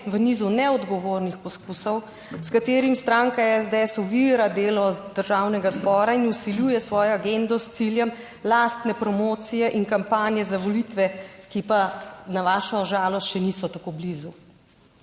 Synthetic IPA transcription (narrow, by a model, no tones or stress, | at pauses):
ʋəniːzunɛɔd̪ɡɔʋoːɾnixpɔskusɔw | skat̪eːɾimst̪ɾaːŋkaɛzd̪ɛsuʋiɾad̪eːlɔd̪̥əɾʒaːwnɛɡazbɔːɾainusiljuːjɛsʋɔːjɔaɡend̪ɔst̪siljɛm | last̪nɛpɾɔmoːt̪sijɛʔiŋkampaːnjɛzaʋɔlit̪ʋɛkipanaʋaːʃɔʒaːlɔst̪ʃɛnisɔt̪akoblizu